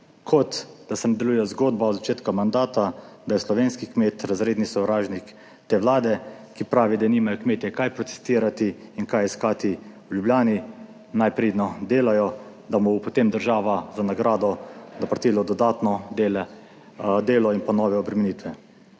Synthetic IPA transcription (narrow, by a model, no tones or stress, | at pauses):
kʰɔt̪d̪̥asɛnɛd̪ɐlujɛzɡoːd̪baɔd̪zat͡ʃeːt̪kamand̪aːt̪ad̪ajɛslɔʋeːnskikmeːt̪ɾazɾeːd̪nisɔwʋɾaːʒnik | t̪eːʋlaːd̪ɛ | kipɾaːʋid̪aniːmajɔkmeːt̪jɛkajpɾɔt̪ɛ̥st̪iːɾat̪iinkajiskaːt̪i | wljubljaːni | najpɾeːd̪nɔd̪eːlajɔ | d̪amɔpɔt̪emd̪əɾʒaːʋazanaɡɾaːd̪ɔnapɾat̪iːlɔd̪ɔd̪aːt̪nɔd̪eːlɛ | d̪eːlɔinpanɔːʋɛɔbɾɛmɛniːt̪ʋɛ